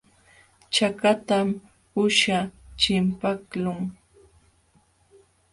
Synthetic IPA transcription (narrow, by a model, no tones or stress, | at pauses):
t͡ʃakat̪am | ʊʃat͡ʃɪmpaklʊŋ